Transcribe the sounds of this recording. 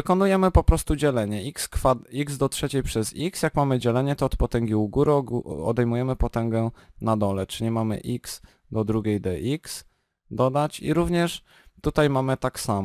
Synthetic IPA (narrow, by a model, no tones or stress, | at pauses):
vɘkɔnujɛmɘpɔpɾɔst̪ud͡ʑɛlɛɲɛʔikskfaikzd̪ɔtʂɛt͡ɕejpʂɛziksjakmamɘd͡ʑɛlɛɲɛt̪ɔːt̪pɔt̪ɛŋɡʲiuɡuɾɔɔ̰d̪ɛjmujɛmɘpɔt̪ɛŋɡɛnad̪ɔlɛt͡ʂɘɲɛmamɘ̰ʔiks | d̪ɔd̪ɾuɡʲejd̪ɛʔiks | d̪ɔd̪at͡ɕḭɾuvɲɛʂ | t̪ut̪ajmamɘt̪aksamɔ